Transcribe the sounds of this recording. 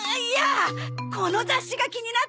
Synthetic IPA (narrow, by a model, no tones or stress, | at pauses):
ijako̞no̞zaɕiɡakʲiɲ̟ina